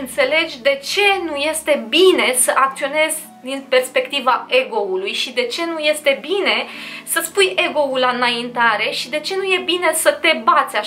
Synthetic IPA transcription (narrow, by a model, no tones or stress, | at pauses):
ɨnt̪se̞le̞d͡ʒʲd̪e̞t͡ʃe̞nuje̞st̪e̞bine̞səʔak̚t̪sio̞ne̞zʲ | d̪inpe̞rspe̞kt̪ivae̞ɡo̞ulujʃid̪e̞t͡ʃe̞nuje̞st̪e̞bine̞səspuje̞ɡo̞ulanaint̪aɾe̞ʃid̪e̞t͡ʃe̞nuje̞bine̞sət̪e̞bat̪sʲa